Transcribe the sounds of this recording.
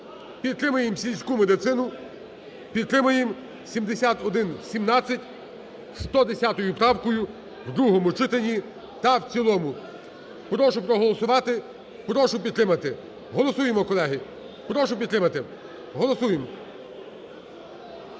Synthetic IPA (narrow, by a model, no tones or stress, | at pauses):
pʲid̪̚t̪ɾɪmʊjemsʲilʲsʲkumed̪ɪt̪sɪnʊ | pʲid̪̚t̪ɾɪmʊjem | sʲimd̪esʲat̪ɔd̪ɪnsʲimnɑt͡sʲːɐtʲ | st̪ɔd̪esʲat̪ɔjʊpɾɑwkɔjʊ | wd̪ɾuɦɔmʊt͡ʃɪt̪enʲi | t̪ɐwt͡sʲilˠɔmʊ | pɾɔʃʊpɾɔɦɔlˠɔsʊʋɑt̪ɪ | pɾɔʃʊpʲid̪t̪ɾɪmɐt̪ɪ | ɦɔlˠɔsujemɔkɔlˠɛɦɪ | pɾɔʃʊpʲid̪t̪ɾɪmɐt̪ɪ | ɦɔlˠɔsujem